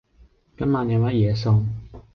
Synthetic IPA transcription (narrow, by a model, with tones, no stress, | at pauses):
kɐ˥mːaː˨njɐ˨˧wmɐ˥t̚jɛː˨˧s̬o˧ŋ